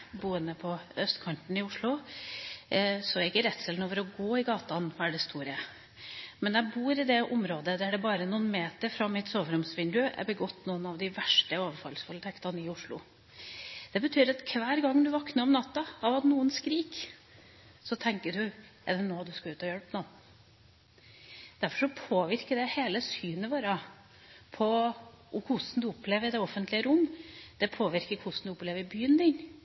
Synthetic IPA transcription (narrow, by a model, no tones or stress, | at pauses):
buːənəpʰɔœst̪kʰɑɳʈ̪n̩ɪʊʂlʊ | sɔɛɪkːəɾɛt̪ːsɛlnoːʋəɾɔɡoːɪɡɑːt̪ɑnʋɑæɖɛst̪uːɾə | mɛnjæbuːɾɪd̪ɛʔʊmɾoːd̪əd̪æɖɛbɑːɾənʊnmeːt̪əɾfɾɑmɪt̪soːʋɾʊmsʋɪnd̪ʉɛ̰ɾbəɡɔt̪ːnuːnɑʋd̪ɪʋæʂʈəoːʋəɾfɑ̰lskʰʊlɪt̪ʰɛkt̪ɑnɪʊʂɭʊ̰ | d̪̥ɛbət̪ʰyːɾɑt̪kʰʋæːɾɡɑŋːd̪ʉʋɑknəɾɔmnɑt̪ːɑɑʋɑt̪nuːənskɾiːk | sɔt̪ʰɛŋkəɖʉʔɛ̰d̪ɛnoːd̪ʉskɑʉːt̪ɔjœlpnɔn | d̪̥æɾfɔʂɔpʰoːʋɪɾkəd̪ɛheːləsyːnəʋoːɾə | pʰɔ | ʊkʰʊsnd̪ʉʊpːleːʋəd̪ɛɔfənt̪lɪəɾʊmːd̪̥ɛpʰoːʋɪɾkəɾkʰʊsnd̪ʉʊpleːʋəɾɪbyːənd̪ɪɲ